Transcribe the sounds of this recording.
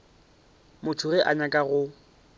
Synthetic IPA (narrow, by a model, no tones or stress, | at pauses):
mʊtʰuɣɛʔaɲakʼaɣʊ